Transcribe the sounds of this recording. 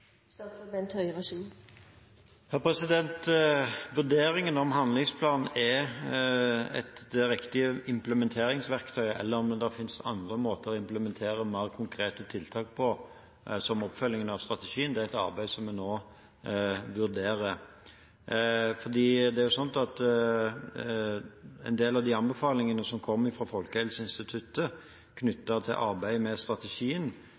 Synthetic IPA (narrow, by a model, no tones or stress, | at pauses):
st̪ɔfəbɛnt̪ʰœʏʁɑʃiː | hæʁpʰɾɛsɪd̪ɛnt̪ʋʉɾd̪eːɾɪŋənɔmɦɑnd̪lɪŋspʰlɑːnn̩ɛ | ɛ̰t̪ɾɪkt̪ɪəɪmpləmɛnt̪ʰeːɾɪŋsʋæɾkt̪ʰœʏɛ̰lːəɾɔmd̪ɛd̪ɛfɪnsɑ̰nd̪ʁəmoːt̪əɾɔɪmpləmɛnt̪ʰeːɾəmæɪəkʰʊŋkʰɾeːt̪ət̪ʰɪlt̪ʰɑːk̚pʰɔ | sɔmɔpːfœlːɪŋənɑʋst̪ʁɑt̪əʃiːənd̪ɛæɾɛɪt̪ɑ̰ɾbæɪsɔmːɛnoː | ʋʉɾd̪eːɾə | fɔɾd̪iːd̪ɛæɾjʊsɔnt̪ɑt̪ | ɛ̰ɪnd̪eːlɑʋd̪iɑnbɛfɑːlɪŋənəsɔmkʰɔmːɪfɾʁɑfɔlkəhɛlsəɪnst̪ɪt̪ʰʉt̪ːə | kʰnʏt̪ːət̪ʰɪ̰lʔɑɾbæɪmɛst̪ʁɑt̪əʃiːən